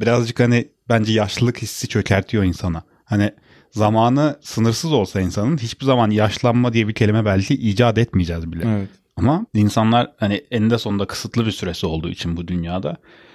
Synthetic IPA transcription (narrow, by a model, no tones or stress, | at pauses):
biɾazd͡ʒɯkhanɪbænd͡ʒɛjaʃllˠɯkhisːit͡ʃʰø̞cʰæɾt̪ʰijo̞insana | hanɪ | zamaːnɯsɯnɯɾsɯzo̞lˠsainsanɯnɦit͡ʃbizamanjaʃlˠanmad̪ijɛbicʰe̞lʲimɛbælʲcʰiʔiːd͡ʒaːd̪ɛt̪mijd͡ʒɛzbilʲɛɛɛt̪ | amainsanlˠaɾhanɪɛnd̪ɛso̞nd̪akʰɯ̥sɯt̪ʰlˠɯbiɾsyɾe̞sio̞lˠd̪ṵːit͡ʃʰinbud̪ynjaːd̪a